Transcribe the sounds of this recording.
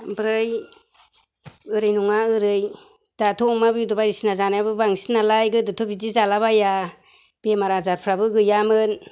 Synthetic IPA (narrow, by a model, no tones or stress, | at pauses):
bɾɯj | ɯɾɯjnuŋaɯɾɯj | d̥atʰɔŋmabɯjudɔbajɾisinazanajabɯbaŋsinalajɡɯdɯtʰobidizalaβaja | b̥emaɾazaɾpʰɾabɯɡɯjamɯn